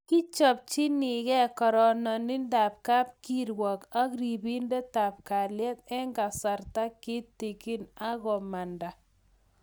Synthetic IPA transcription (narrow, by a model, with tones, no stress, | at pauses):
ki˦t͡ʃɔ˨p̚t͡ʃɪ˦nɪ˨ɣɛ˦kɔ˨ɾɔ˨nɔ˨ni˦nda˨p̚ka˦p̚ki˦ɾwɔ˨ka˦kɾi˨bi˦nde˦ta˨p̚ka˨ljɛ˦t̪̚ɛ˦ŋɡa˨sa˨ɾta˦kɪ˦ti˨ki˦na˦ɣɔ˨ma˨nda˨